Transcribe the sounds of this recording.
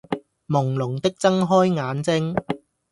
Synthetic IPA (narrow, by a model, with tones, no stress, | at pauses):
mʊ˨˩ŋlʊ˨˩ŋt̪ɪ˥k̚t͡sɐ˥ŋɦɔː˥jŋaː˨˧nt͡sɪ˥ŋ